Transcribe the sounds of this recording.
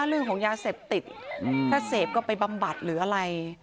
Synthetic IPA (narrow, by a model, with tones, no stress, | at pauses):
a˦˥ɾɯ˥˩əŋkʰɔː˨˩˦ŋjaː˧seː˨˩p̚t̪i˨˩t̪̚t̪ʰaː˥˩seː˨˩p̚kɔː˥˩pa˧jba˧mba˨˩t̪̚ɾɯː˩˦ʔa˧ɾa˧j